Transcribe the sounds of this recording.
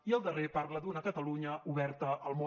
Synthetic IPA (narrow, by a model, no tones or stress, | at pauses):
iəlˠd̪ərepaɾləd̪unəkət̪əluɲəuβɛɾt̪əəlˠmo